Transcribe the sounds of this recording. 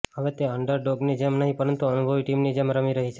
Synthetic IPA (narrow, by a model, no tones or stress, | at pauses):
ɦəʋet̪eəɳɖəɾɖoɡned͡ʒemnəɦĩpəɾənt̪uənubʱəʋiʈimnid͡ʒemɾəmiɾəɦit͡ʃʰe